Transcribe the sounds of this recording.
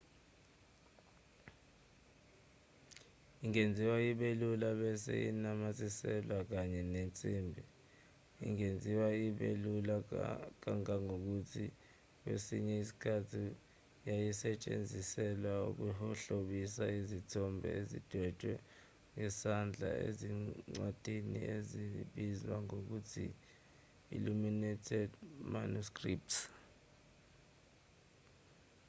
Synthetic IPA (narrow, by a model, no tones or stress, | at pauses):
iŋend͡zʱiwaiɓelulaɓɛsḛjḭnamazʼisɛlwak̬aɲɛnent͡sʼiːmbʱi | ḭŋend͡zʱiwaiɓḛlulak̬aŋaŋok̬utʰi | k̬wḛsḭɲɛisi̥kʰatʰi | jajisɛt͡ʃʼḛnd͡zʱisɛlwauk̬uhɔɬoɓisaizitʰɔmbʱɛ̰ezid̥ʱwɛt͡ʃʼwɛ | ŋɛsand͡ɮʱa̰ḛziŋ͡ǀwad̥ʱinḭeziɓizwaŋok̬utʰḭ | ḭluminɛtʰɛdmanuskrip̚ts